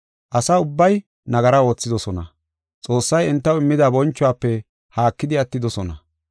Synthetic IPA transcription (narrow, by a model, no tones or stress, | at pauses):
ʔɐsɐʊbːɐj | nɐɡɐɾɐwo̞ːt͡sːɪd̪ɔsɔnɐ̰ | t͡sʼo̞ːsːɐjɛnt̪ːɐwɪmːɪd̪ɐbɔnt͡ʃːʊaːpːɛ | haːkːɪd̪ɪɐt̪ːɪd̪ɔsɔnɐ̰